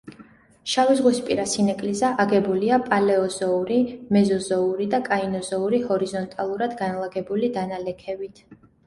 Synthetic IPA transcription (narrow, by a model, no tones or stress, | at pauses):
ʃavizʁwispʼiɾasinakʼlizaʔaɡɛbuliapʼalɛɔzɔuɾimɛzɔzɔuɾid̪akʼainɔzɔuɾihɔɾizɔnt̪ʼalˠuɾad̪ɡanlˠaɡɛbulid̪analɛkʰɛbit̪ʰ